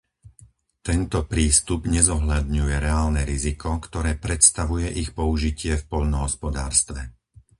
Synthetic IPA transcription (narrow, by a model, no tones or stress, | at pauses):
t̪ɛnt̪ɔpɾiːst̪ubɲɛzɔɦʎad̪ɲujɛɾɛaːlnɛɾizikɔkt̪ɔɾɛːpɾɛt̪st̪aʋujɛʔixpɔuʒicɪɛfpɔʎnɔɦɔspɔd̪a̰ːɾst̪ʋɛ